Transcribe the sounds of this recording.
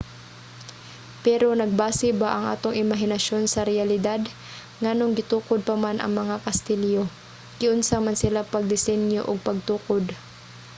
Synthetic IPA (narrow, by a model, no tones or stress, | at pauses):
pɛːɾo̞nɐɡ̚baːsɪbaʔɐŋʔa̰ːt̪oŋʔɪmɐɦɪnɐʃo̞nsɐɾɛɐlɪd̪ad̪ | ŋanoŋɡɪt̪uːkod̪̚pɐmanʔɐ̰ŋmɐŋakɐst̪iljo | ɡɪʔʊnsaŋmansɪlapɐɡ̚d̪ɪsɛnjo̰ʔʊɡ̚pɐɡ̚t̪uːkod̪